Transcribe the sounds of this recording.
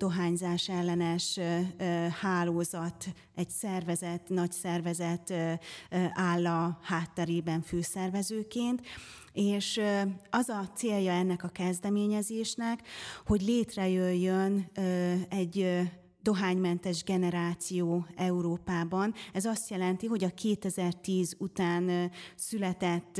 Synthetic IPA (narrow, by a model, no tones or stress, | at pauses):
d̪̥o̞ɦaːɲzaːʃɛlːɛnɛʃ | haːloːzɒt̪ | ɛcsɛrvɛzɛt̪nɒcsɛrvɛzɛt̪ | ʔaːlːɒhaːt̪ːɛɾeːbɛɱføːsɛrvɛzøːkeːnt̪ | eːʃɒzɒt̪seːljɒɛnːɛkɒkɛzd̪ɛmeːɲɛzeːʃnɛkho̞ɟleːt̪rɛjøjːøn | ɛɟ | d̪o̞ɦaːɲmɛnt̪ɛʒɡɛnɛɾaːt̪sijoːɛuɾoːpaːbɒnɛzɒst̪jɛlɛnt̪iɦo̞ɟɒkʰeːt̪ɛzɛrt̪iːzut̪aːnsylɛt̪ɛt̪ː